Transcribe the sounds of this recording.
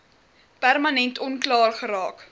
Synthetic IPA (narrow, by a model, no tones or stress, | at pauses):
pærmɐnɛntɔnklɑːrχəɾɑːk